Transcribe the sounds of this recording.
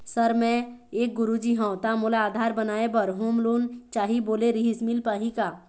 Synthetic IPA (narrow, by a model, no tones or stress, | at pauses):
səɾmɛ̃eːk̚ɡʊɾud͡ʒiɦãt̪amʊlaːd̪ʱaːɾbənaːebəɾɦuːmloːnt͡ʃaːɦiboːleɾiɦɪsmɪlpaːɦikaː